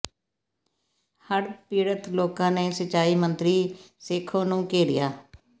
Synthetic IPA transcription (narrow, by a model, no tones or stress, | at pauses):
həɽpiːɽət̪loːkãːneːsət͡ʃːaːiːmənt̪ɾiːsɪːkʰõːnũːkeːɽɪ̰ja̰ː